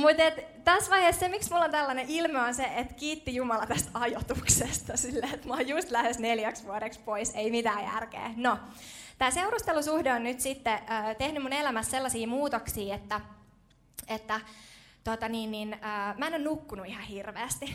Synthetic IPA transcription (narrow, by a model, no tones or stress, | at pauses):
mut̪et̪ | t̪æsʋɑihessemiksmulːont̪ælːɑneʔilmeonseʔet̪kiːt̪ːijumɑlɑt̪æst̪ɑjot̪uksest̪ɑsilːeːet̪mɑːjust̪læhesneljæksʋuoɾekspoiseimit̪æːjæ̰rkḛːno | t̪æːseurust̪elusuhdeonnyt̪sit̪ːeəːt̪ehnymunelæmæsselːɑsiːmuːt̪oksiːet̪ːæ | et̪ːæt̪ot̪ɑniːnːinəːmæˑenonnukːunuihɑhirʋḛːst̪i